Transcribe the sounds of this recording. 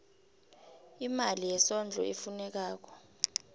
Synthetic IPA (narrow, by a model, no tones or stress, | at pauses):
imalijɛsɔnd͡ɮʱɔ̰ʔefunɛk̬aːk̬ɔ̥